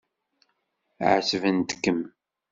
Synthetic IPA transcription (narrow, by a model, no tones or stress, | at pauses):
ʕsəvənt̪ə̥kːəm